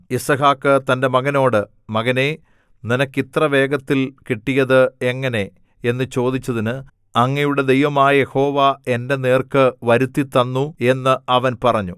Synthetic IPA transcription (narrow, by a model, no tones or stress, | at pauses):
isɐɦaːkːɨt̪ɐnde̞mɐɣɐno̞ːɽɨ | mɐɣɐne̞ | ninɐkːit̪rɐʋe̞ːɡɐt̪ːilkiʈːijɐðɨe̞ŋːɐne̞ | enːɨt͡ɕo̞ːd̪it͡ɕːɐðinɨ | ɐŋːɐjuɽe̞d̪ejʋɐmaːjɐje̞ho̞ːʋae̞nde̞neːrkɨʋɐɾut̪ːit̪ːɐnːue̞nːɨɐʋɐnpɐrɐɲːu